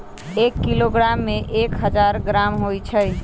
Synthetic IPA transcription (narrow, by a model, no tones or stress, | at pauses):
ekːiloɡɾamːeʔekɦəd͡ʒaɾɡɾamɦojt͡ʃʰəj